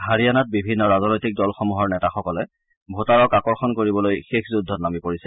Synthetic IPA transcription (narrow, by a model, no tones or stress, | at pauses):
ɦaɹijanat̚bibʱinːɔɹaznojtik̚dɔlxɔmuɦɔɹnɛtaxɔkɔlɛ | bʱotaɹɔkakɔɹxɔnkoɹibɔlojxexʰzudʱːɔtnamipoɹisɛ